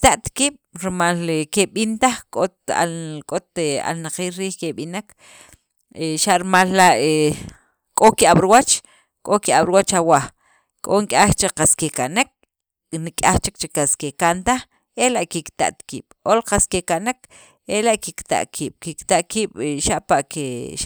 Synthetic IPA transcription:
t̪aʔt̪kiːɓ̥ɾimalkeɓint̪aχkʼot̪a̰kʼot̪ea̰lnaqiːlɾiːhkeɓinak | eʃaʔɾimalːaʔe | kʼokiaɓɾuwat͡ʃ | kʼokiʔaɓɾwat͡ʃawa | kʼoŋkʼaχt͡ʃeqaskekanek̚ | nikʼaχt͡ʃik̚t͡ʃeqaskekant̪aχ | elaʔkikt̪a̰ʔt̪kḭːɓ̥olqaskekaʔnek | elaʔkikt̪a̰ʔkʰiːɓ̥kikt̪aʔkiːɓ̥ʃaʔpaʔkeʃa

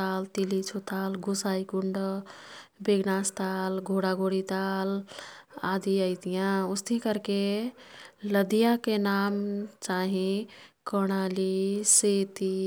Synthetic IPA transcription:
alt̪ilit͡ʃʰot̪alɡusaikuɳɖ | beɡnast̪alɡʱoɽaɡʱoɽit̪al | ad̪iəɪt̪ijãust̪ʰĩkəɾke | ləd̪ijãkenamt͡ʃaɦĩkɔɽ̃aliset̪i

